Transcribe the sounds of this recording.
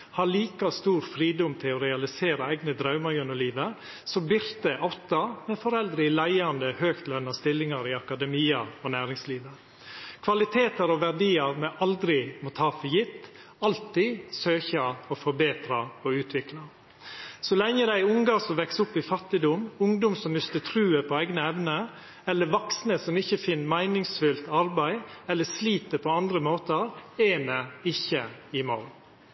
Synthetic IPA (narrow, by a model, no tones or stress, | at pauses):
hɑɭiːkɑst̪uːɾfɾiːd̪ʊmt̪ʰɪlɔɾɛɑlɪseːɾəæɪɡnəd̪ɾɑʉmɑɾjœnɔliːʋə | sɔbɪɾt̪əʔɑt̪ːɑmɛfɔɾɛld̪ɾəlæɪɑnd̪əhøːkt̪lœnːɑst̪ɪlːɪŋɑɾɪɑkɑd̪ɛmiːɑɾɔnæːɾɪŋsliːʋə | kʰʋɑlɪt̪ʰeːt̪əɾɔʋæɖiːɑɾmɛʔɑld̪ɾɪmɔt̪ʰɑːfɔjɪt̪ː | ɑlt̪isøːçəɔfɔɾbeːt̪ɾɑɔʉːt̪ʰʋɪklɑ | sɔlɛŋːəd̪æɪʊŋɡɑsɔmʋɛksʊpːɪfɑt̪ːɪd̪ʊmʊŋd̪ʊmsɔmmʏst̪ət̪ʰɾʉːəpʰɔæɪɡnəɛʋnə | ɛlːəʋɑksnəsɔmɪçːəfɪnːmæɪnɪŋsfʏlt̪ɑɾbæɪɛlːəsliːt̪əpʰɔɑnd̪ɾəmoːt̪əɾɛmɛɪçːəɪmɑl